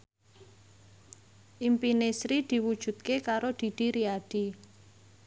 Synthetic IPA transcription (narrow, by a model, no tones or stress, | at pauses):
ʔimpinesɾid̪̥i̤wud̥ʒ̥ṳt̪̚kekaɾod̪̥i̤d̪̥i̤ɾiad̥i̤